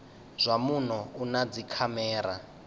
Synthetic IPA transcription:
z̥ʷamunɔunad͡zikʰamɛːɾa̰

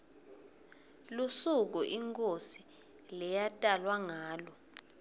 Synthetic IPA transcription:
lusuk̬uʔiŋkʼosi | lɛjatʼalwaŋaːlɔ

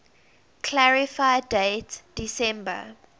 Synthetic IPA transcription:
kʰlæɹifaɪdeɪtd̥isɛ̃mbə̰

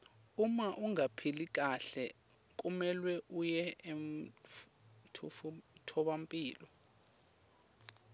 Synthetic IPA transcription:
umaʔuŋapʰilik̬ʼaɬɛ | k̬ʼumɛlwɛʔujɛem | tʰtʰɔɓampʼiːlɔ

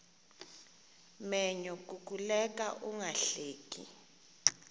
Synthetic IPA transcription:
mɛɲɔk̬ʼukulɛk̬ʼaʔuŋaɬeːkḭ

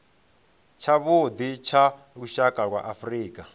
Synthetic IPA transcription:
t͡ʃʰaβod̪it͡ʃʰa | ɺuʃakʼaɺwa̰ʔafriːkʼa

